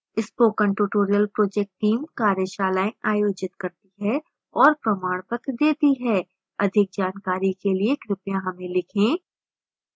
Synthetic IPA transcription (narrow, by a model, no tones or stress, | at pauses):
ɪspoːkə̃ɳʈuʈoːɾijəlpɾoːd͡ʒɛk̚ʈːiːmkaːɾjəʃaːlaːẽʔaːjoːd͡ʒɪt̪kɐɾt̪iɦɛ | ɔːɾpɾɐmaːɽpət̪d̪eːt̪iɦɛ | ɐd̪ʱɪk̚d͡ʒaːnkaːɾikeliekɾɪpjãɦɐmẽlɪkʰẽː